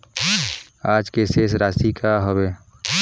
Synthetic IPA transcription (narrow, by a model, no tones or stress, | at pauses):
aːd͡ʒkeseːsɾaːsikʰaɦəbeː